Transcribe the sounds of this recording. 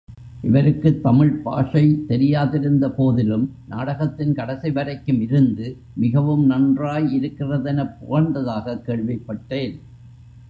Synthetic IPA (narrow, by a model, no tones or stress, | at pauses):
ʔɪʋɐɾɯkːɯt̪ːɐmɪɻpa̰ːʂɐɪt̪ɛɾɪjaːðɪɾɯnd̪ɐpoːðɪlɯmnaːɽɐɣɐt̪ːɪnkɐɽɐsɪʋɐɾɐɪkːɯmɪɾɯnd̪ɯ | mɪɣɐʋɯmnɐndraːjɪɾɯkːɪrɐðɛnɐpːʊɣɐɾnd̪ɐðaːɣɐkːeːɭʋɪpːɐʈːeːn